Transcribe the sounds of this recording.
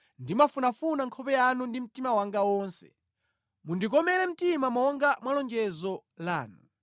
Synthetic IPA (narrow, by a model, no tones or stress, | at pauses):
ndimafunafunaŋkʰɔpɛjanundim̩timawaŋɡawɔːnsɛ̥̰ | mundikɔmɛlɛm̩timamaɔŋɡamwalɔŋɡɛzɔlaːnu